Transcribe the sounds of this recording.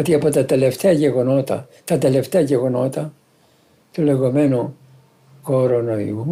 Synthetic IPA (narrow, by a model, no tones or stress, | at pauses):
ot̪iɐpot̪ɐt̪eleft̪eɐʝeɣo̞no̞t̪ɐ | t̪ɐt̪ele̞ft̪eɐʝeɣo̞no̞t̪ɐ | t̪ule̞ɣo̞menu | koɾonoḭu